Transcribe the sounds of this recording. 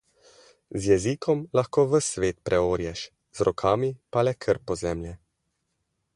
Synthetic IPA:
zjɛziːkʰɔmlaxkoːʋəsʋeːt̪pɾʔɛoːɾjɛʃ | z̥ɾɔkʰaːmipalɛkʰəɾpɔzɛmljɛ

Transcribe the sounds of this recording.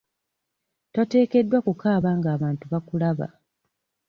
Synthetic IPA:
twate̞ːke̞dːwakukaːβaːŋɡaːβaːntuβakulaβa̰

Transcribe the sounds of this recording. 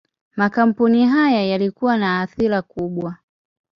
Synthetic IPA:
makam̩puniɦajajalikuwanaːθiɾakuɓwa

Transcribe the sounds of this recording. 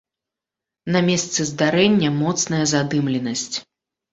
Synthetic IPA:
nɐmʲɛst̪sɨzd̪aɾɛnʲːɐmɔt̪snɐjɐzad̪ɨmlʲɛnɐsʲt͡sʲ

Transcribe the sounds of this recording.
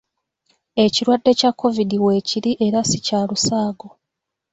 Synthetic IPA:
e̞ciɾwadːe̞cakːo̞vidiwe̞ːciɾiʔeɾasicaːlusaːɡo̞

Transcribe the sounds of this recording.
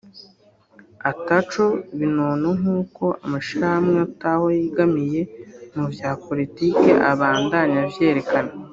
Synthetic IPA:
atat͡ʃoβinonoŋuːko̞ʔa̰maʃiɾahamŋeatawojiɡamije̞muvjaːpo̞litiːke̞ʔaβaːndaɲavje̞ːɾe̞kana

